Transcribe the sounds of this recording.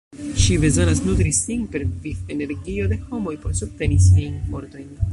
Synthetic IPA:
ʃibe̞zo̞nasnut̪ɾisinpe̞ɾvife̞ne̞ɾɡio̞de̞ho̞mo̞jpo̞ɾsub̚te̞nisiajnfo̞ɾto̞jn

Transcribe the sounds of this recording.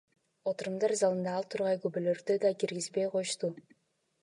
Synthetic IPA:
ot̪uɾumd̪ɑɾzɑlˠɯnd̪ɑːlˠt̪ʰuɾʁɑjɡybølø̞ɾd̪ød̪ɑkiɾɡizbejqʰo̞juʃt̪u

